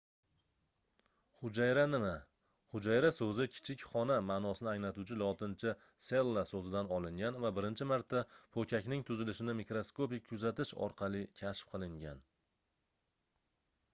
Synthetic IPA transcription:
χʊd͡ʒajɾanɪma | χʊd͡ʒajɾasɵzɪkʲʰɪ̥t͡ʃʰɪkʲχɒnamaːnɒsɪnɪaŋlat̪ʊt͡ʃʰɪlˠɒt̪ʰɪnt͡ʃʰɪ | se̞lˠːasozɪd̪anɒlˠɪŋʲanvabɪɾɪnt͡ʃʰɪmaɾt̪ʰːapʰokʲʰakʲnɪŋt̪ʰʊzɪlɪʃɪnɪmikɾoskopɪk̚ʲʰːʊzat̪ɪʃɒ̰ɾqʰɑlˠɪkʲʰaʃfqʰɨlˠɪŋɡʲan

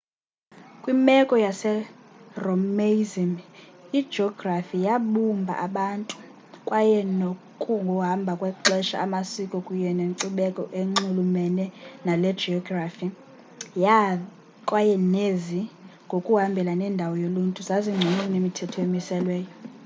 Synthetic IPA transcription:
kʼwimɛkʼɔjasɛromezimi̥d͡ʒɔɡrafijaɓumbʱa̰ʔaɓantʼu | kʼwajɛnokʼuŋɡʱɔɦambʱakʼwɛǁɛʃa̰ːmasikʼɔkʼujɛneŋǀiɓɛkʼɔʔeŋ͡ǃulumɛnɛnalɛ̥d͡ʒiɔɡrafi | ja | kʼwajɛneziŋɡʱokʼuɦambʱɛlanɛndʱawɔjoluntʼuzaziŋ͡ǀʱinunemitʰɛtʰɔemisɛlwɛːjɔ

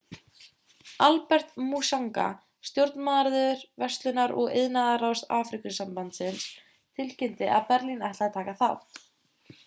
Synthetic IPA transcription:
alpɛr̥t̪musaŋka̰ | st̪jowɾt̪nmaːðaɾðʏʏɾvɛst̪lʏnaɾʔɔɣḛðnaðaɾawst̪aːfɾikʏsampant̪sɪns | t̪ʰɪlcɪnt̪ɪʔaðpɛɾlinajht̪at̪ʰaːkaθa̰θ

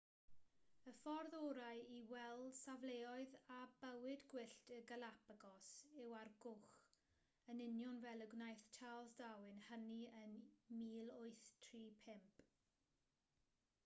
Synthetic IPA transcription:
əfɔrðɔːɾajiwɛlˠsavleːɔɨðabəwɪdɡwɪɬtəɡəlapaɡɔsɪwarɡʊχ | ənɪnjɔnvɛlˠəɡwnajθtʰalˠsd̥awɪnhəniənmiːlˠʊɨθtʰriːpʰɪmp

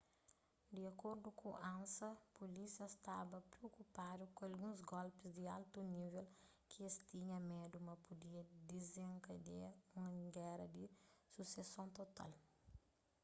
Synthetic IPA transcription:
d̪iɐkoɾd̪ukʰuʔãnsɐpolisiɐst̪abɐpɾeokupad̪ukõɐlɡũzɡɔlpizd̪ia̰lt̪univel | kʰiest̪iɲɐmed̪umɐpud̪iɐd̪izẽŋkɐd̪eũŋɐɡɛɾɐd̪isusesõnt̪ot̪a̰l

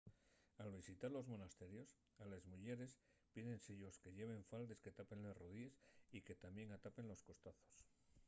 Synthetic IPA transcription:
alβisit̪aɾlo̞zmo̞nast̪e̞ɾjo̞s | alezmuʝe̞ɾe̞spiðe̞nseʎo̞ske̞ʝe̞β̞e̞ɱfald̪e̞ske̞t̪ape̞nlesroðiesike̞t̪amje̞ŋat̪ape̞nlo̞sko̞st̪aθo̞s

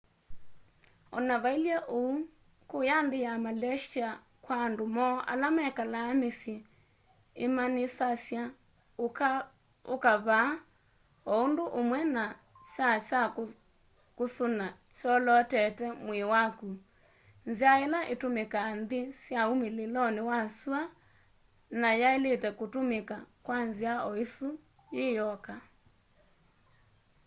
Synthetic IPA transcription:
ɔnaβailjɛʔou | kojandɪjamalɛʃia | kwaːndomɔʔa̰lamaɛkalaːmesjɛ | emanesasja | okaβa | ɔondoʔomwɛna | t͡ʃat͡ʃa | kosona | t͡ʃɔlɔtɛtɛmwewaku | nziaelaʔetomekaːnðesjaumelelɔnewasua | najaeletɛkotomekakwanziaɔeso | jejɔka

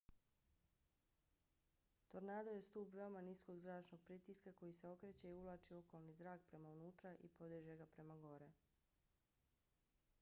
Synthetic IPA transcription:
t̪o̞ɾnaːd̪oje̞st̪uːpʋe̞omanisko̞ɡzɾaːt͡ʃnoɡ̥̚pɾit̪iskako̞jise̞o̞kɾet͡ɕe̞iulˠaːt͡ʃio̞ko̞lˠnizɾaːk̚pɾe̞maunuːt̪ɾaʔḭpo̞d̪iʒeɡapɾe̞maɡo̞ɾe

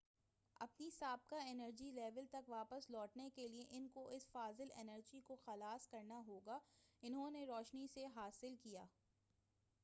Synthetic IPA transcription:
ɐ̰pnisaːb̚kaɛnəɾd͡ʒilɛːʋəlt̪ɐkʋaːpəslɔːʈnekelieʔɪnkoʔɪsfaːzɪlɛ̰nəɾd͡ʒikoxɐlaːskɐɾnaɦoːɡaːɪnɦõneɾɔːʃniseɦaːsɪlkijaː

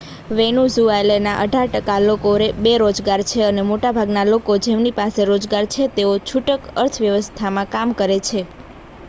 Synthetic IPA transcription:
ʋenuzuajlenaʔəɖʱaɾʈəkalokoɾebeɾod͡ʒɡaɾt͡ʃʰeənemoʈabʱaɡnalokod͡ʒemnipaseɾod͡ʒɡaɾt͡ʃʰet̪eot͡ʃʰuʈəkəɾt̪ʰʋjəʋəst̪ʰamãkamkəɾet͡ʃʰe

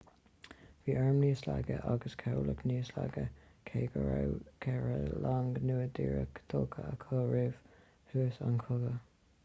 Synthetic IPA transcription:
viːʔɛɹmniːslaɡəʔaɡəskʰɛləkniːslaɡəkʰeːɡəɹawkʰɛɹəlaŋɡnuːəd̪iːɹə̰kt̪ʰoːkʰəəkʰoːɹɪv̥ | huːəsankʰʊɡə

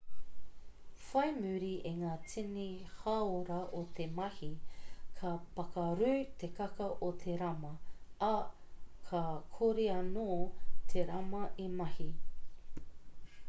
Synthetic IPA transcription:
fɐjmʉɾiʔeŋaːt͡sinihɐoɾɐʔot̪ʰemɐhikʰɐpɐkɐɾʉːt̪ekɐkɐʔot̪ʰeɾɐmɐɐ | kʰɐkʰoɾeɐnoːt̪ʰeɾɐmɐʔimɐhi

